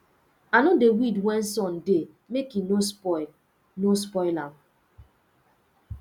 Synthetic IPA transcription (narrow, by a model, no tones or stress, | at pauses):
anodewidwɛnsɔnde | mekinosl | nospɔɪlam